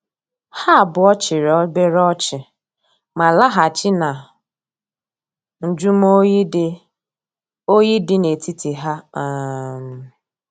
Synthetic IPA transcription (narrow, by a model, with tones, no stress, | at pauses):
ha˦a˨bʊ˨ɔ˦t͡ʃɪ˨ɾɔ˦be˦ɾɔ˦t͡ʃɪ˨ | ma˨la˦ɦa˨t͡ʃɪ˦na˨ | n̩˨d͡ʒu˦m˦o˦i˦d | o˦ji˦dɪ˦ne˨ti˦ti˨ɦa˦a˨m̩˨